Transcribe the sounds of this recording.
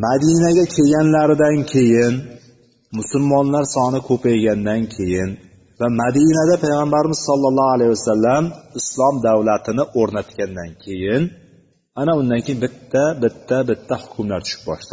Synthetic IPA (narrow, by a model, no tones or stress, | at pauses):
mad̪inaɡʲakʲʰeɡʲanlaɾɪd̪ankʲʰe̞jɪn | mʊsʊlmɒnlaɾsɒnɪkʰɵpʰajɡʲand̪ankʲʰe̞jɪn | vamad̪inad̪apʰajʁambaɾɪmɪz̥sɒlˠːɑlˠːɒhalajwasalːamɪslˠɒmd̪awlat̪ʰɪnɪʔoɾnat̪kʲand̪ankʲʰe̞jɪn | anaʊnd̪ankʲʰejɪnbɪt̪ʰːabɪt̪ʰːabɪt̪ʰːahʊ̥kʰʲʊmlaɾt͡ʃ̪ʰʊ̥ʃɪ̥p̚bɒ̰ʃla